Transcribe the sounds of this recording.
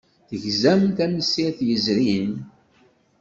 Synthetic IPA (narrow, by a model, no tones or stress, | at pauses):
θəʝzæmθæməsiθjəzɾin